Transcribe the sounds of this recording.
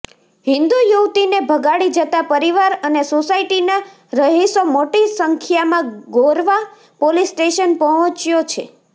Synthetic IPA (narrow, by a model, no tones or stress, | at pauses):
ɦĩnd̪ujuʋt̪inebʱəɡaɽid͡ʒət̪apəɾiʋaɾənesosaiʈina | ɾəɦisomoʈisəŋkʰjamãɡoɾʋa | polisʈeʃənpəɦɔ̃t͡ʃjot͡ʃʰḛ